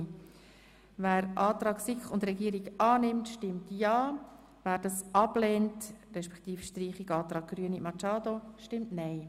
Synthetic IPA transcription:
væːɾʔɑːtɾɑːksɪkʊndɾɛɡiəɾiɡɑːnɪmtʃtɪmtjɑː | væːɾd̥ɑsɑblɛːntrɛʃpɛ̥kt̪iːfʃtriːχiɡɑːt̪ɾɑːɡ̚ɡ̥ɾyənḭmɑt͡ʃɑːdoʃtɪmtnɛɪ

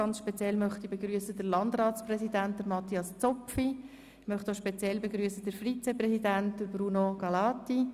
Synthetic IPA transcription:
ɑnt͡sʃpɛt͡sjɛlmœχt̪ibeɡɾyəsədəɾlɑndɾɑːtt͡sprɛsidænt̚d̥əɾmɑt̪iɑst͡sɔpfi | mœχtoʃpɛt͡sjɛlbeɡɾyəsədəɾfrit͡sɛprɛsidænt̚d̥əɾbɾunoɡ̥ɑlɑːti

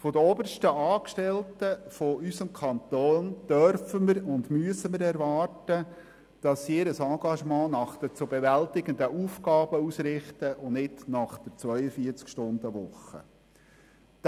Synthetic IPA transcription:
fɔdəɔbərʃtəɑːkʃtɛltəfɔysəmkʰɑnt̪oːnd̪̥œɾfəməɾʊndmyəsəməɾɛɾʋɑːrtə | d̥ɑsɪɾəsɑ̃ːɡ̥ɑʃmɑ̃ːnɑχd̥ət͡sʊbɛʋæltɪɡ̥ənd̪əʔuːfkɑːb̥əusɾɪχtəʔʊnɪtnɑχd̥əɾt͡sʋœʏəfiəɾt͡skʃtʊnd̪əʋʊχːə̰

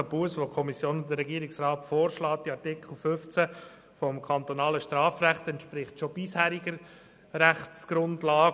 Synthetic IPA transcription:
əpuəsʋokʰɔmisjoːnʊdəɾːɛɡiəɾiksrɑːtfoːɾʃlɑːt̚d̥iɑɾtɪkʰl̩ˠfʏft͡sæ | fɔmkʰɑnt̪ɔnɑːləʃtɾɑːfræχtɛntʃpɾɪχtʃob̥ishæːɾiɡəɾ | ɾæχt͡sɡ̥ɾʊndlɑː

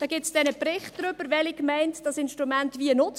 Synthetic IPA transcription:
d̥ɑɡ̥ɪsd̥ɛnəprɪχt̚d̥ɾʏb̥əɾvɛlikmɛɪntd̥ɑsɪnʃtʁumæntvʋiənʊt͡s

